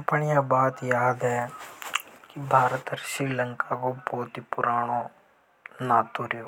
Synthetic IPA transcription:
pɐɳijaːbaːt̪jaːd̪e | kibʱaːɾɐt̪ɐʃɾiːlɐŋkaːkoːpoːt̪ipuɾaːɳoː | naːt̪uːɾijo

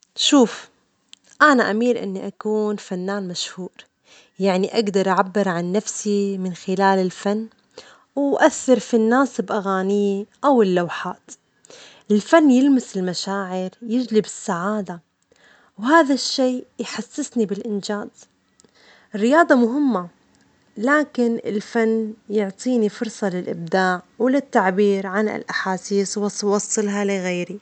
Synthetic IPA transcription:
ʃuːf | ʔanaʔamiːɾʔɪ̰nːiʔakuːnfanːaːnmaʃhuːɾ | jaʕniʔaɡd̪ɑɾˤʔaʕabːɪɾʕanːafsimɪnxɪlaːlɪlfanː | wʔaθːɪɾfinːaːsɪbʔaɣaːnɪjːiʔawɪlːawħaːt̪ | ʔɪlfanːjɪlmɪsɪlmaʃaːʕɪɾjɪd͡ʒlibɪsːaʕaːd̪a | wɦaːðaʃːeːjħasːɪsnibɪlʔɪnd͡ʒaːz̥ | ɪrːɪjɑːd̪ˤɑmʊɦɪmːa | laːkɪnɪ̰lfanːjʊʕt̪ˤiːnifʊɾsˤɑlɪlʔɪb̚d̪aːʕwɪlɪt̪ːaʕbiːɾʕanɪ̰lʔaħaːsiːswɑsˤwɑsˤːɨlɦalɪɣeːɾi

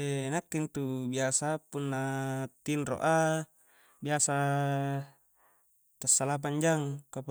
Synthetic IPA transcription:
enakːint̪ubiasapunːat̪inro̰ʔa | biasa | t̪asːalap̬aɲd͡ʒaŋkapu

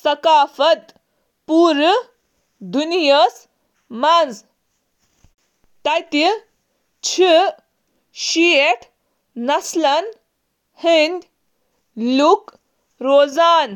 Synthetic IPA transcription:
sɐkaːfɐt̪ | puːɾ | d̪unijəs | mand͡z | t̪ɐjt̪i | t͡ɕʰi | ɕieʈʰ | nɐslɐn | hind̪ʲ | luk | ɾoːzaːn

